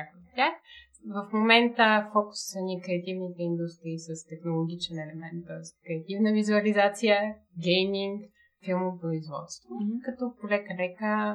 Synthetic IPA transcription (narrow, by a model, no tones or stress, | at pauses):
akot̪ʲːjax | vəfmomɛnt̪əfɔkʊ̥ssɐnʲikɾɛɐt̪ivnit̪ɛind̪ust̪ɾiːsəst̪ɛxnolˠoɡ̟ʲit͡ʃɛnɛlɛmɛnt̪̚ːɔɛsi̥kɾɛɐt̪ivnəvizuɐlizat̪sijə | ɡɛjmiŋk | filˠmopɾoizvɔ̰t̪st̪vokɐt̪ɔpolɛkəlɛkə